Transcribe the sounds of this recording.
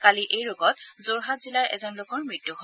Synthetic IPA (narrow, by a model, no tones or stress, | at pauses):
kaliʔejɹoɡɔt̚zoɹɦatz̥ilaɹʔɛ̰zɔnlʊkɔɹmɹitːuɦo